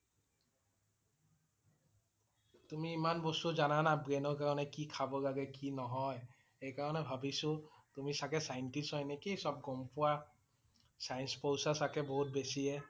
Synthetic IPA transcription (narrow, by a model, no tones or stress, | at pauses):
tumiːmanbɔstuzananabɹenɔɹkaɹɔnɛkikʰabɔlaɡɛkinɔɦɔj | ejkaɹɔnɛbʱabisʊ̃tumisakɛsajntisɔjnekisɔb̚ɡɔmpʊwa | sajnspowsasakɛboɦut̚besiɛ